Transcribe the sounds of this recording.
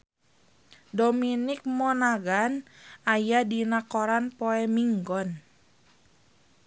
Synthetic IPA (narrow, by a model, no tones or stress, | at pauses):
dominɪk̚mɔnaɡanajadinakoɾanpoɛmiŋɡɔn